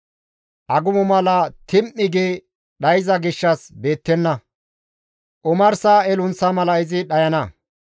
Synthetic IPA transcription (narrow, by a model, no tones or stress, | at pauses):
ʔɐɡʊmʊmɐlɐt̪ɪmʔːɪɡeː | ɗɐjɪzɐɡɪʃːɐsbe̞ːt̪ːɛnːɐ | ʔʊmɐɾsaɛlʊnsɐmɐlɐɪzɪɗɐjɐnɐ